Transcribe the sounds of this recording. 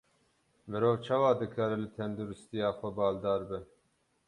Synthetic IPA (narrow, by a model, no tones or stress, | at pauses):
mɨɾoːvt͡ʃʰɑːwɑːd̪ɨkʰɑːɾɛlɨt̪ʰɛnd̪uɾɪst̪ijɑːxʷɛbɑːld̪ɑːɾbɨn